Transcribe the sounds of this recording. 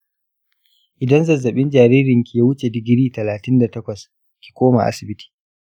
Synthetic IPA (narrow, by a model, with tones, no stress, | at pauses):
ʔɪ˨dɐ˦nzɐ˨zɐ˨ɓɪ˦nd͡ʒaː˨ɾiː˦ɾɪ˨ŋkʲi˨jaː˦wʊ˦t͡ʃe˨dɪ˨ɡʲɪ˦ɾiː˦tɐ˨laː˨tɪ˦nda˨tɐ˦kʷɐ˨s | kʲi̥˨kʷoː˦ma̰˨ʔa̰˦sɪ˨bɪ˦tʰi̥ː˨